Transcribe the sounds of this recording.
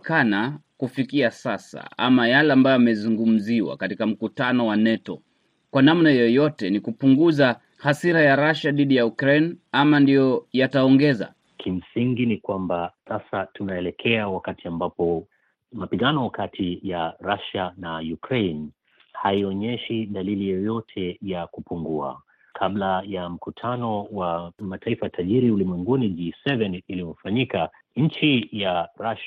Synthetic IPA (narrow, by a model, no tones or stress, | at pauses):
kanakufikiasasa̰a̰majalɛambajɔamɛzuŋɡum̩ziwa̰katikam̩kutanɔwanɛtɔ | kwanamnajɔjɔtɛnikupuŋɡuza | hasiɾajaɾaʃaðiɗijaukɾejnamandijɔjataɔŋɡɛza̰ | kʰim̩siŋɡinikwambasasatunaɛlɛkʰɛawakatiambapɔ | mapiɠanɔkatʰijaɾaʃanajukɾen | haiɔɲɛʃiɗalilijɔjɔtʰɛjakupuŋɡua̰ | kʰablajam̩kutʰanɔwamataifatʰaʄiɾiulimwɛŋɡunid͡ʒisɛvɛnilivɔfaɲika | ɲ̩t͡ʃijaɾaʃa